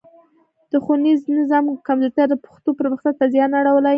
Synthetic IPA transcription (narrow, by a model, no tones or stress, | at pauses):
d̪̥əxuniznɪzɑmkamzoɾt̪aɾd̪əpə̥xt̪opəɾməxt̪at̪azjɑnaɽawəlaj